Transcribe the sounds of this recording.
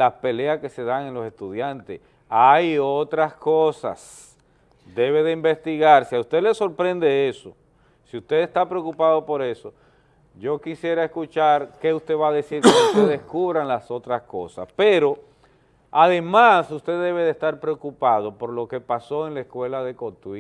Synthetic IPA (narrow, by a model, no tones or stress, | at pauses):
laspe̞leaske̞se̞ðaŋenlo̞se̞st̪uðjant̪es | ajot̪ɾaskosa̰s | d̪e̞βe̞ðe̞imbe̞st̪iɣaɾseaust̪ele̞so̞ɾpɾe̞nd̪e̞e̞so | siust̪e̞ðest̪apɾeokupaðo̞po̞ɾe̞so̞ | ʝo̞kisje̞ɾaeskut͡ʃaɾke̞ust̪e̞βaðe̞siɾkeust̪eðeskuβɾaŋlaso̞t̪ɾasko̞sa̰speɾo̞ | aðe̞masust̪e̞ðe̞βe̞ðest̪aɾpɾeokupaðo̞po̞ɾlo̞ke̞paso̞eŋlaeskwe̞laðe̞kot̪ui